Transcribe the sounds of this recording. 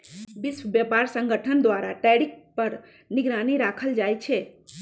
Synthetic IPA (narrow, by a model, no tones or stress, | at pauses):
bɪswbjəpaːɾsə̃ŋɡʱəʈʰənd̪ʋaːɾaʈɛːɽɪk̚pəɾ | nɪɡɾaːniɾaːkʰəld͡ʒaːjt͡ʃʰe